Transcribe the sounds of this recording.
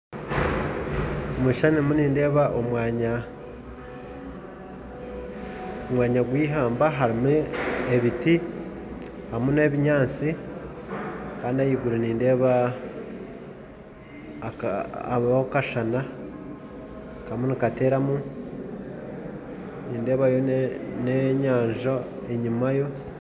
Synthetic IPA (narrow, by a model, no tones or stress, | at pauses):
omuʃanimuniːnde̞ːβaʔomwaːɲa | omwaːɲaɡwiːɦaːmbaɦaɾimueβiti | hamuneːβiɲaːt͡si | kaːndiajiɡuɾeniːndeβa | βakaʃana | kamunikate̞ːɾamu | niːnde̞ːβajoneɲaːɲʒo | e̞ɲimajo̞